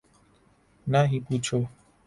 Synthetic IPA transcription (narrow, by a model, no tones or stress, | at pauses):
naɦikut͡ʃo